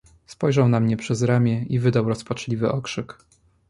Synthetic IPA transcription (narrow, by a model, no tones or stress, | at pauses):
spɔjʐawnamɲɛpʂɛzɾamʲjɛivɘd̪awɾɔspat͡ʂlʲivɘʔɔkʂɘk